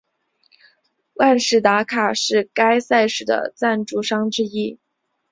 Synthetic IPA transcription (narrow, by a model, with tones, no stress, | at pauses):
wa˥˧nʂɻ̩˥˩t̪a˧˥kʰa˨˩ʂɻ̩˥˩ka˥ɪsa˥˩ɪʂɻ̩˥˩d̪ə̰˦t͡sa˥˧nʈ͡ʂu˥˩ʂɑ˥ŋʈ͡ʂɻ̩˥i˥